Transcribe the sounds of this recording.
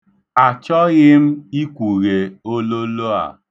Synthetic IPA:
a˨t͡ʃɔ˦ɣɪ˦m̩˦i˦kʷu˨ɣe˨o˦lo˦lo˦a̰˨

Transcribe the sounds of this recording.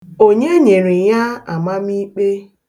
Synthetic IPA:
o˨ɲe˦ɲe˨ɾi˨ja˦a̰˨ma˦mi˦k͡pe˦

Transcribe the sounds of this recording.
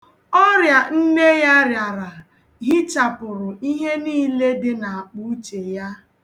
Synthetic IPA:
ɔ˦ɾja˨n̩˦ne˦ja˦ɾja˨ɾa˨ | ɣɪ˦t͡ʃa˨pʊ˨ɾʊ˨i˦ɦe˦niː˦le˦dɪ˦na˨a˨k͡pu˦t͡ʃe˨ja˦

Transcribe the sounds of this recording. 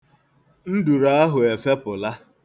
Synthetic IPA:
n̩˦du˨ɾa˦a˦ɦʊ˨e˨fe˦pʊ˨la˦

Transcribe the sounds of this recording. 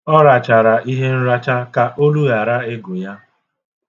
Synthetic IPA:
ɔ˦ɾa˨t͡ʃa˨ɾa˨i˦ɦe˦n̩˦ɾa˦t͡ʃa˦ka˨ʔo˦lu˦ɣa˨ɾa˦e˦ɡʊ˨ja˦

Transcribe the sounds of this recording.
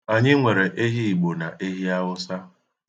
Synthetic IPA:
a˨ɲɪ˦ŋʷe˨ɾe˨ʔe˦ɦi˦i˨ɡ͡bo˨na˨ʔe˦ɦi˦a˦wʊ˦sa˦

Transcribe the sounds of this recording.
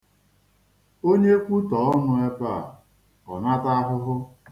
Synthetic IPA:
o˦ɲe˦kʷu˦tɔ˨˦ɔ˦nʊ˦e˦pa˦˨ | ɔ˨na˦ta˦ɦʊ˦ɦʊ˦

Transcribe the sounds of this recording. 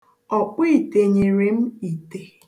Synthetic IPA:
ɔ˨k͡pi˦˨te˨ɲe˨ɾe˦m̩˦i˨te˨

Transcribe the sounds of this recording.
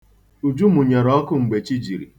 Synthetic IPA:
u˨d͡ʒu˦mʊ˨ɲe˨ɾɔ˦kʊ˦ŋ͡m̩˨ɡ͡be˨t͡ʃi˦d͡ʒi˨ɾḭ˨

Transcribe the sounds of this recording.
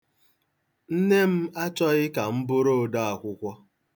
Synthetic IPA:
n̩˦ne˦m̩˦a˦t͡ʃɔ˦ɣɪ˦ka˨m̩˦bʊ˦ɾo˦˨da˦a˨kʷʊ˦kʷɔ˦

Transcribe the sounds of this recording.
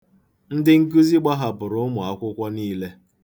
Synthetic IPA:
n̩˦dɪ˦ŋ̩˦k̬u˦zi˦ɡ͡ba˦ɦa˨pʊ˨ɾʊ˦ʊ˦mʊ˨a˦kʷʊ˦kʷɔ˦niː˦le˦

